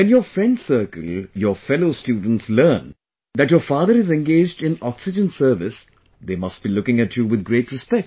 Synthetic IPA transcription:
ʋɛ̃njɔːfɾɛ̃ɳɖsəɾkə̰ljəːfɛloːstjuːɖⁿən̩ʈsləːn | d̪æʈjɔfaːd̪əɾɪzɛ̃nɡeːd͡ʒɖɪ̃nɔksɪd͡ʒə̃nsəɾʋɪs | d̪eːmʌsʈ̚b̥ilʊkɪ̃ŋæʈʰjuʋɪd̪̚ɡɾeːʈɾɪspɛk̚ʈ

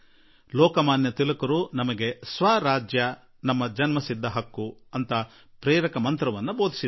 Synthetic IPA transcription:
lɔːkɐmaːnjɐt̪ilɐkɐɾunɐmɐɡe̞sʋaːɾaːd͡ʒjɐ | nɐmːɐd͡ʒɐnmɐsid̪ʱːɐɦɐkːuɐnt̪ɐ | pɾɛːɾɐkɐmɐnt̪ɾɐʋɐnːuboːd̪ʱi̥si

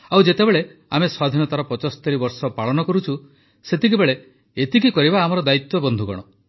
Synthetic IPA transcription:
awd͡ʒet̪ebeɭeameswad̪ʱinɔt̪aɾɔpɔt͡ʃɔsɔ̥t̪eɾibɔɾsɔpaɭɔnɔkɔɾut͡ʃʰu | set̪ik̬ibeɭe | et̪ikikɔɾibaːmɔɾɔd̪ait̪wɔbɔnd̪ʱuɡɔ̰ɽ̃ɔ

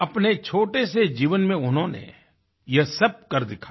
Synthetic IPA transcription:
ɐpnet͡ʃʰoːʈesed͡ʒiːʋənmẽʊnɦõnḛ | jɐɦsɐb̚kɐɾd̪ɪkʰa

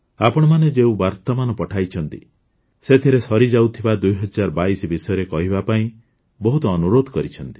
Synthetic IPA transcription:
apɔɽ̃ɔmaned͡ʒeũbaɾt̪ɔmanɔpɔʈʰajt͡ʃʰɔnt̪ḭ | set̪ʰiɾesɔɾid͡ʒawt̪ʰibad̪ujɦɔd͡ʒaɾɔbaisɔbisɔjɔɾekɔɦibapaĩ | bɔɦut̪ɔːnuɾod̪ʱɔkɔɾit͡ʃʰɔnt̪i̥

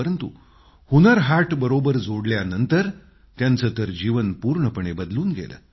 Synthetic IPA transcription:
əɾənt̪ṵ | hunəɾɦaʈbəɾobəɾd͡zʱoɽljanənt̪əɾ | t̪jant͡səːt̪əɾd͡ʑiʋənpuːɾɳəpəɳebəd̪luːnɡḛlə̰ː

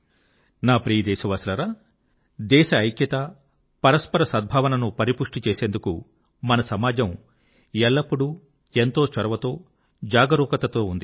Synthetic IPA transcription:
naːpɾiːd̪ɛːʃɐʋɐslɐɾɐ | d̪ɛːʃɐɐjkjɐt̪ɐ | pɐɾɐspɐɾɐsɐd̪̚bʱaːʋɐnɐnupɐɾipuʂʈit͡ʃeːse̞ːnd̪ukṵ | mɐnɐsɐmaːd͡ʒɐm | ɛɭːɐpːuɽu | ent̪o̞ːt͡ʃɐɾɐʋɐt̪o̞ː | d͡ʒaːɡɐɾuːkɐt̪ɐt̪o̞ːund̪i

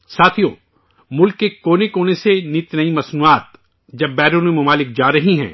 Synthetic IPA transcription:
saːt̪ʰijõ̰ː | mʊlkːekoːnekoːnesenit̪nɐimɐsnuːaːt̪ | d͡ʒɐbːɛːɾonmẽmʊmaːlɪk̚d͡ʒaːɾɐɦiɦɛ̰̃ː

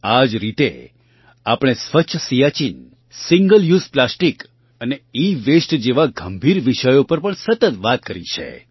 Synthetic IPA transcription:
ad͡ʒɾit̪ḛ | apɽ̃esʋət͡ʃʰsijat͡ʃin | siŋɡəljuzplasʈik | əneiʋesʈd͡ʒeʋaɡəmbʱiɾʋiʃəjopəɾpəɳsət̪ət̪ʋat̪̚kəɾḭt͡ʃʰḛ

